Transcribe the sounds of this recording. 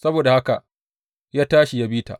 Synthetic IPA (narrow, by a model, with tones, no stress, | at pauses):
sɐ˦boː˨da˨ha˦ka˨ʔ | jaː˦taː˦ʃi˨ja˦biː˦ta̰ː˨ʔ